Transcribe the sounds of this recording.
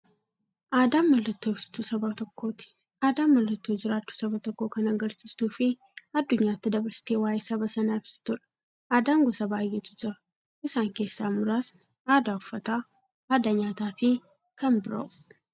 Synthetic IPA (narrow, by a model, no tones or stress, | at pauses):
ʔaːd̪aːmːɐlːɐt̪ːo̞ːsɪ̥t̪usɐbat̪ɔkːo̞ːt̪ɪ̥ | aːd̪aːmːɐlːɐt̪ːoːd͡ʒɪɾaːt͡ʃːu̥ːsɐbɐt̪ɔkːo̞ːkɐnɐɡɐɾsɪst̪uːfɪ | ɐd̪ːʊɲːaːt̪ːɪd̪ɐbɐɾsɪ̥t̪eːwaːjɛsɐbɐsɐnaɪbsɪ̥t̪ʊᶑɐ̥ | aːd̪aːŋɡɔsɐbaːjːɛt̪ʊd͡ʒɪɾɐ | ɪsaːŋke̞ːsːaːmʊɾaːs | aːd̪aːʊfːɐt̪aː | aːd̪aːɲaːt̪aːfɪ | kɐmbɪɾo̰ːʔʊ